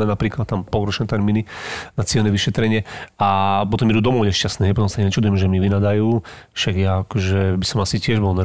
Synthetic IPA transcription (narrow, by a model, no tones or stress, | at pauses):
ɛnapɾiːklat̪̚t̪ːampɔlˠɾɔt͡ʃnɛt̪ɛɾmininat͡sɪɛlnɛʋiʃɛt̪ɾɛɲɪɛapɔt̪ɔmit̪ud̪ɔmɔʊɲɛʃcast̪nɛːɦɛjpɔt̪ɔmsaɲɛt͡ʃad̪ujɛmʒɛmiʋinad̪ajuːfʃaɡjaakɔʒɛbisɔmasicɪɛʒbɔlnɛ